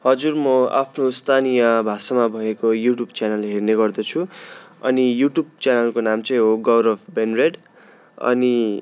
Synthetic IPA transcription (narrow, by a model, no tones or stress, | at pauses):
hʌd͡zurmʌa̰pʰnost̪ʰanijʌbʱasamabʱʌekojuʈjubt͡sanʌlːeɦerneɡʌrd̪ʌt͡sʰuʌnijuʈjub̚t͡sanʌlkonamt͡sʌj̃ɦoɡʌwɾʌpʰbenreɖ | ʌ̰ni